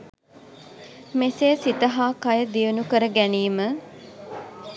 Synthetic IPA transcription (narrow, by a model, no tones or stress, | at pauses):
meseːsit̪əɦaːkɐjəd̪ijunukəɾəɡæniːmə